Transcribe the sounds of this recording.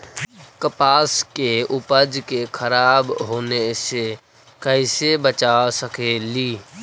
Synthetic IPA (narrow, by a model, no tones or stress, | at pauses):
kəpaːskeʊpəd͡ʒkekʰəɾaːbɦoːnese | kəɪsebət͡ʃasəkeli